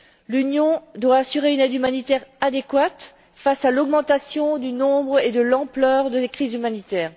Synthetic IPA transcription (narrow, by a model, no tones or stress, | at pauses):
lynjɔ̃d̪waːsyʁeynɛd̪ymanit̪ɛʁad̪ekwat̪ | fasalɔɡmɑ̃t̪asjɔ̃d̪ynɔ̃bʁed̪əlɑ̃plœːʁd̪əekχizymanit̪ɛːʁ